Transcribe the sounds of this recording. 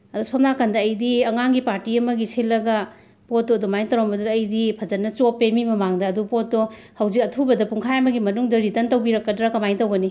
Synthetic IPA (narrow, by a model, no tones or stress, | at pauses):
ɐdusop̚nakandɐːjdiɐŋaŋɡipaɾtiɐmɐɡisʰelːɐɡɐ | pot̚dodomajntɐɾombɐduːjdipʰɐd͡ʒɐnːɐt͡ʃopːemimɐmaŋdɐːdupot̚do | hɐwzik̚ɐtʰubɐdɐpuŋkʰajamɐɡimɐnuŋdɐɾitɐntɐwbiɾɐkːɐdɾakɐmajntɐwɡɐni